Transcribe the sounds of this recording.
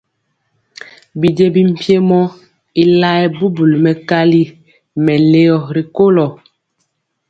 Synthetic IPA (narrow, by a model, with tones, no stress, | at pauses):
bi˨d͡ʒe˦bi˦m̩˨pje˦mɔ˦ | i˦la˦ɛ˦bu˦bu˨lmɛ˨ka˦li˦ | mɛ˨le˦jɔ˨ɾi˨ko˦lɔ˨